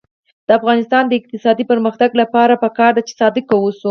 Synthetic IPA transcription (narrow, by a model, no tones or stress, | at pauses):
d̪̥əafɣɑnɪst̪ɑnd̪əɪq̚t̪ɪsɑd̪ipəɾməxt̪aɡlapɑɾapəkɑɾd̪at͡ʃe̥sɑd̪ɪkawusu